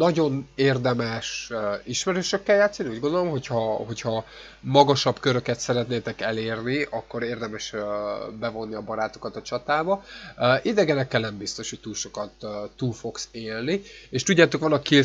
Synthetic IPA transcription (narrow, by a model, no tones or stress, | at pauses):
nɒɟo̞neːrd̪ɛmɛʃiʃmɛɾøːʃøkːɛljaːt̪sːɒniuːɟɡo̞nd̪olo̞mɦo̞chɒɦo̞chɒ | mɒɡɒʃɒbkøɾø̞kɛt̪sɛɾɛt̪neːt̪ɛkɛleːrniʔɒkːo̞ɾeːrd̪ɛmɛʃ | bɛvo̞nːiɒbɒɾaːt̪o̞̥kɒt̪ɒt͡ʃɒt̪aːbɒʔid̪ɛɡɛnɛkːɛlnɛmbist̪o̞ʃhoc̚t̪uːlʃo̞kɒt̪ːuːlfo̞kseːlnieʃt̪uɟːaːt̪o̞kʋɒnːɒkːi